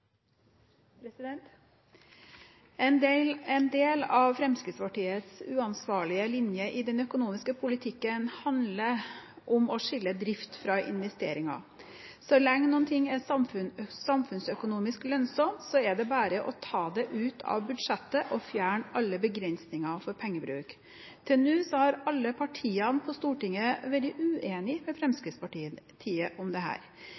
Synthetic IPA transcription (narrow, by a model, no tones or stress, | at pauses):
pʰɾɛsɪd̪ɛnt̪ | ɛnd̪elɛnd̪eːlɑʋfɾɛmskɾɪd̪spɑʈiːət̪sʉːɑnsʋɑːɭɪəlɪnjəʔɪd̪ɛnœkʊnuːmɪskəpʰʊlɪt̪ʰɪkːənhɑnd̪lə | ʔɔmɔʂɪlːəd̪ɾɪft̪fɾɑʔɪ̰nʋɛst̪ḛːɾɪŋɑ̰ | sɔlɛŋːnuːənt̪ʰɪŋːɛsɑmʉsɑmfʉnsœkʊnuːmɪsklœnsɔmt̪sɔɛɖɛbæːɾəʔɔt̪ʰɑːd̪ɛʔʉːt̪ʰɑ̰ʋbʉd̪ʂɛt̪ːəʔɔfjæːɳʔɑlːəbəɡɾɛnsnɪŋɑfɔɾpʰɛŋːəbɾʉ̰ːk | t̪ʰɛnʉːsɔhɑɾɑlːəpʰɑʈʰiːɑnpʰɔst̪uːʈɪŋːəʋɛld̪ɪʔʉːʔeːnɪmɛfɾɛmskɾɪt̪spʰɑʈiːt̪ʰiːəʔɔmd̪ɛɦæ̰ːɾ